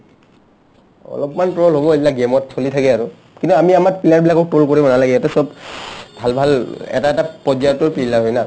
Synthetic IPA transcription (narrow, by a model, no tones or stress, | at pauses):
ɔ̰lɔpmanpɹɔɔlɦobɔepilaɡemɔtsʰolitʰakɛaɹu | kintuamiamaɹ̚pilaɹbilakɔk̚tolkoɹibɔnalaɡɛɛtɛsɔb̚bʱalbʱalɛ̰taɛtapɔd͡ʒatɔɹpiilaɦojna